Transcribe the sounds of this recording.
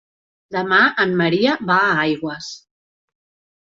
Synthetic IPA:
d̪əmaəmːəɾiəβaajɣwəs

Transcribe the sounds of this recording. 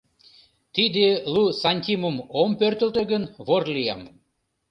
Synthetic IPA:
t̪id̪elusɑnʲt̪ʲimumompørt̪ə̆lt̪ø̆ɡənβorlijɑm

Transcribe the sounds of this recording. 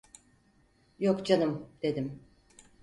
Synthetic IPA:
jokd͡ʒanɯmd̪̥e̞d̪im

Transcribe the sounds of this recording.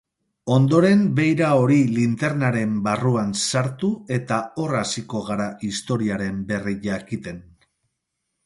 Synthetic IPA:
o̞nd̪o̞ɾe̞mbe̞jɾao̞ɾilint̪e̞ɾnaɾe̞mbaruansaɾt̪ue̞t̪ao̞rasiko̞ɣ̞aɾaist̪o̞ɾiaɾe̞mbe̞riʝakit̪e̞n

